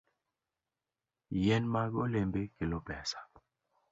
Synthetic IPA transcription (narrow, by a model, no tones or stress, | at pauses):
jɛnmaɡolembekilopɛsḁ